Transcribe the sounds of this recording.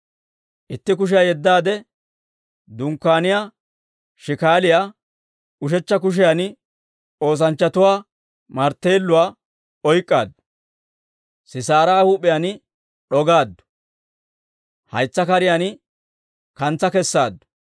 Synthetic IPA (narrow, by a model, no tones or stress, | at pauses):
ʔɪt̪ːɪk̬ʊʃ̬ɪjaːjɛd̪ːaːd̪ɛ | d̪ʊŋkːaːnɪjaː | ʃɪkaːlɪjaː | ʊʃ̬ɛt͡ʃːɐk̬ʊʃ̬ɪjaːnɪ | o̞ːs̬ɐnt͡ʃːɐt̪ʊwaː | mɐɾt̪ːeːlːʊwaː | ɔjkʼːa̰ːd̪ːʊ̥ | sɪsaːɾaːhuːpʼɪjaːn | ɗɔɡaːd̪ːʊ̥ | hɐ̰jt͡sːɐkɐɾɪjaːn | kɐnt͡sːɐkɛsːa̰ːd̪ːʊ̥